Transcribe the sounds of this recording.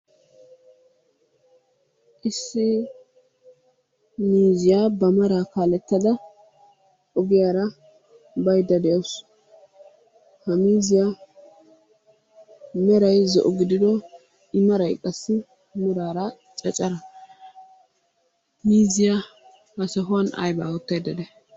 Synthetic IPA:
ʔɪsːɪ | miːzɪjaːbɐmɐɾakaːlɛt̪ːɐd̪ɐ | ʔɔɡɪjaːɾɐ | bɐjd̪ɐd̪ɛjɐws | hɐmiːzɪja | mɛɾɐjzɔ̰ʔɔɡɪd̪ɪd̪ɔ | ɪmɐɾɐjkʼɐsːɪ | mʊɾaːɾɐ | t͡ʃʼɛt͡ʃʼɐɾɐ | miːzɪja | hɐsɐɦʊwɐnɐ̰jbaːwɔt̪ːɐjd̪ɐd̪ɛ

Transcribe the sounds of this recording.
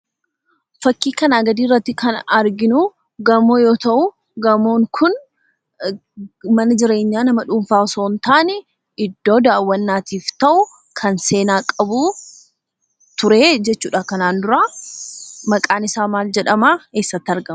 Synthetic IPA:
fɐkːiːkɐnaːɡɐd̪iːrːɐt̪ːɪkʰɐnɐɾɡɪnʊ | ɡɐmoːjo̞ːt̪ɐʔʊ | ɡɐmoːŋkʰʊn | mɐnɐd͡ʒɪɾe̞ːɲːaːnɐmɐᶑuːmfaːɔso̞ːnt̪aːnɛ | ɪd̪ːo̞ːd̪aːwːɐnːaːt̪iːft̪ɐʔʊ | kʰɐnse̞ːnaːkʼɐbuː | t̪ʊɾeːd͡ʒɛt͡ʃːuːᶑakɐnaːnd̪ʊɾaː | mɐkʼaːnɪsaːmaːld͡ʒɛᶑɐmaːeːsːɐt̪ːɪɐɾɡɐm

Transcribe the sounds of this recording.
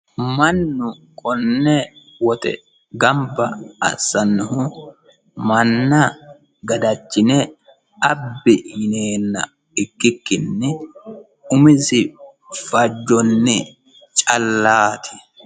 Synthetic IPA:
mɐnːʊkʰʼɔnːɛ | wɔt̪ɛ̰ | ɡɐmbɐɐ̰sːɐnːʊhʊ | mɐnːɐ | ɡɐd̪ɐt͡ʃːɪnɛ | ɐbːɪhɪneːnːɐ̰ | ɪkːɪkːɪnːɪ | ʊmɪsɪ | fɐd͡ʒːɔnːɛ | t͡ʃʼɐlːaːt̪ʰɪ̥

